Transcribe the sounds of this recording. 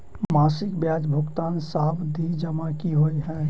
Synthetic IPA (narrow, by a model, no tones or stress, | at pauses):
maːsɪkbjaːd͡ʒbʱʊkt̪aːnsaːbd̪ʱid͡ʒəmakiɦoːiɦɛ̃ː